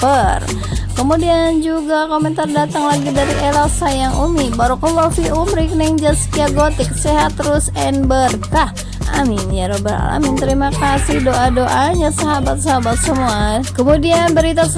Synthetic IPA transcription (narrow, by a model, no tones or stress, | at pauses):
pər | kəmudiand͡ʒuɡakomɛnt̪ardat̪aŋlaɡidaɾiʔɛlasajaŋʔumibaɾukulofiumɾiknɛŋd͡ʒaskiaɡot̪ɪk̚sɛɦat̪rusɛnbərkah | a̰mɪnjaɾobəɦa̰la̰mint̪əɾimakasihdoʔadoʔaɲasaɦabat̪̚saɦabat̪̚səmuakəmudianbəɾit̪as